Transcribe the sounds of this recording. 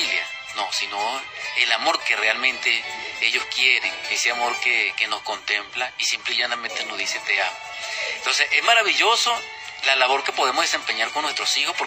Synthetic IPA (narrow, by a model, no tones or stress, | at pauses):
ilja̰ | no̞sinoelamo̞ɾkerealmẽ̞nt̪e̞e̞ʝo̞skje̞ɾeŋeseamo̞ɾkeke̞no̞sko̞nt̪e̞mplaisimpliʝanamẽnt̪enozðiset̪eamo | ent̪o̞nsese̞zmaɾaβiʝo̞so | lalaβo̞ɾkepoðe̞moðese̞mpe̞ɲaɾkonːwe̞st̪ɾo̞sixospoɾ